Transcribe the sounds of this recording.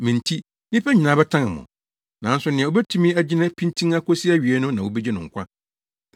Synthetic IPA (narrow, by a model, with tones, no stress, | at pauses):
mĩ˨n̩˨tʰi˦ | nɪ̃˦pɛ˦ɲĩ˨nã˨˦bɛ˦tʰã˦nɪ˨mʊ̰̃˨ | nã˨n̩˦sʊ˦nɪ̃˨ɛ̃˨o˦bɛ˦tʰũ˦mĩ˦æ˦d͡ʑɪ˦nã˦pʰĩ˦ntʰĩ˦ŋa˦kʰɔ˦si˦æ˦ɥi˨ɛ˦nʊ̃˦nã˨wo˦bɛ˦d͡ʑɛ˦nʊ̃˨ŋ̩˨kʷa˦